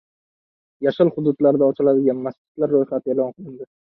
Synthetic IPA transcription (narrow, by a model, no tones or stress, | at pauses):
jaʃɪlˠχʊd̪ʊd̪laɾd̪aɒt͡ʃʰɪlad̪ɪɡʲanmast͡ʃɪ̥t̪laɾːojχat̪ʰe̞lɒnqʰɨlˠɪnd̪ɪ